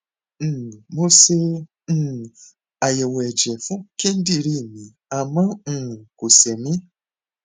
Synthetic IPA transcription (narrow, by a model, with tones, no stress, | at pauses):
mo˧sẽ˧˦˨ | a˨je˨wɛ˨d͡ʒɛ˨fũ˦kẽ˦n̩˦di˦˨ɾi˦˨mĩ˨ | a˨mã˦˧˨ko˨sɛ˨mĩ˦